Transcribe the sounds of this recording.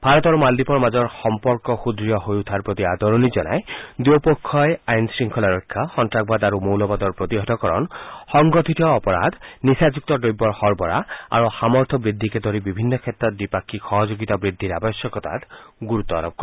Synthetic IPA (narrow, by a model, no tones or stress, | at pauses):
bʱaɾɔt̪ɔɾumald̪ipɔɾmad͡ʒɔɾxɔmpɔɾkɔxud̪ɾijɔɦojut̪ʰaɾpɾot̪iad̪ɔɾonid͡ʒɔna̰ed̪opɔkʰːɔeajnsɾiŋkʰɔlaɾɔkʰːaxɔntɾak̚bad̪aɾumowlɔbad̪ɔɾpɾot̪iɦɔt̪ɔkɔɾɔ̰nhɔŋɡɔt̪ʰit̪ɔːpɔɾa̰d̪nisad͡ʒuk̚t̪ɔʈojbːɔɾhɔɾbɔɾa̰a̰ɾuxamɔɾt̪ʰɔbɾid̪ʱːiked̪ʱɔɾibibʱinːɔkʰet̪ɾɔt̪̚bipakʰːixɔɦɔd͡ʒoɡit̪abɾid̪ʱːiɾabɔsjɔkɔt̪a̰t̪ɡuɾut̪ɔ̰ɾɔb̚kɔɾ